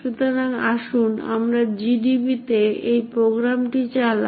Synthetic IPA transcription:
ut̪onanaʃuna̰mɾad͡ʑiɖibit̪eejpɾoɡɾamʈit͡ɕal

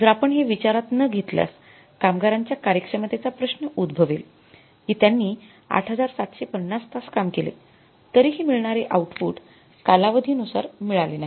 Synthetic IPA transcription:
d͡zəɾapəɳɦeʋit͡ɕaɾat̪nəɡʱet̪lja̰s | kamɡaɾaɲt͡ɕjakaɾjəkʂəmat̪et͡sapɾəɕnəʔud̪bʱəʋel | ɦit̪janːiː | a̰ʈʰɦəd͡zaɾsat̪ɕepənːast̪askamkelḛ | t̪əɾiːɦiːmiɭɳaɾeʔauʈfuːʈ | kalaʋəd̪ʱiːnusa̰ɾmiɭalenaɦi

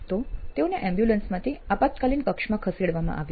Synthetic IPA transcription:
t̪ot̪euneʔɛ̃mbjulənsmat̪ʰiapat̪kaliːnkəkʂmakʰəsiɽʋamã̰ʔa̰ʋj

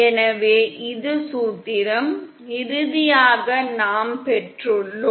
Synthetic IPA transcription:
ɛnɐʋeːʔɪðɯsuːt̪ːɪɾɐm | ɪɾɯðɪjaːɣɐnaːmpɛʈrɯɭːʊ

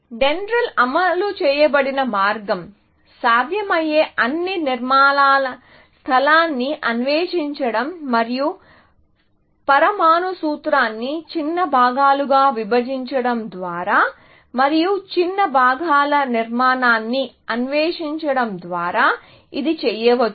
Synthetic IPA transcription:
ɖenɾɐlɐmɐlut͡ʃɛːjɐbɐɽinɐmaːɾɡɐm | saːd̪ʱjɐmɐjeːʔɐnːiniɾmaːnaːlɐ | st̪ʰɐlaːnːiʔɐnʋeːʂiɲt͡ʃɐɽɐmːɐɾiju | pɐɾɐmaːnusuːt̪ɾaːnːit͡ʃinːɐbʱaːɡaːluɡaːʋibɐd͡ʒiɲt͡ʃɐɽɐmd̪ʋaːɾaː | mɐɾijut͡ʃinːɐbʱaːɡaːlɐniɾmaːnaːnːi | ɐnʋeːʂiɲt͡ʃɐɽɐmd̪ʋaːɾaː | id̪it͡ʃɛːjɐʋɐt͡ʃː

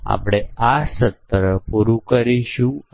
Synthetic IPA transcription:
a̰pɽ̃easət̪ɾəpuɾukəɾiɕũ

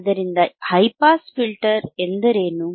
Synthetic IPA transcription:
d̪ɐɾind̪ɐhɐjpaːsfilʈɐɾend̪ɐɾeːnu

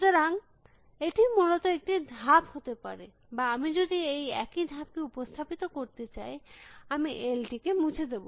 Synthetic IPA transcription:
d͡ʑ̪oɾaŋ | eʈimulot̪oek̚ʈid̪ʱaphot̪epa̰ɾe | baamid͡ʑod̪iejɛ̰kid̪ʱap̚keupost̪ʰapit̪okoɾt̪et͡ɕajamiʔelʈikemud͡ʑʰed̪ebo

